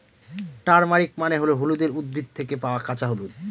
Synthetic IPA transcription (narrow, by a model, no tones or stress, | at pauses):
ʈaɾmaɾikmaneɦoloɦolud̪eɾud̪̚bʱid̪̚t̪ʰekepaoakat͡ɕaɦolud̪̚